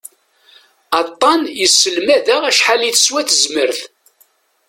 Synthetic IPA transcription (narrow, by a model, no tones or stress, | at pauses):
ɑt̪ˤːɑnjəsːəlmæðæʁæʃħaliθə̥swæθəzməɾθ